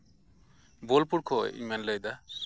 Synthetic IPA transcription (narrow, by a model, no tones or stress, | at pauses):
bolpuɽkʰɔ̰ḭmɛnləjd̪a